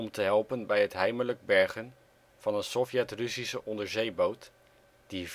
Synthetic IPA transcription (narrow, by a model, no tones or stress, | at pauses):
ɔmtəɦɛlˠpənbɛjɦətɦɛjmələɡ̚bɛɹχən | v̥ɑnənsɔfjɛtrɵsisəʔɔndəɹzejbowt | d̥iv